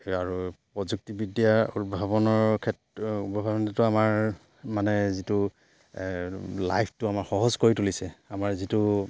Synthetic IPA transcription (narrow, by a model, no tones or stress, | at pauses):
aɹupɹɔzuk̚tibidijautbʱaβɔnɔɹkʰɛtubɔbʱabɔnitʊamaɹ | manɛzitʊ | lajpʰtʊamaɹxɔɦɔzkoɹitulisɛamaɹzitʊ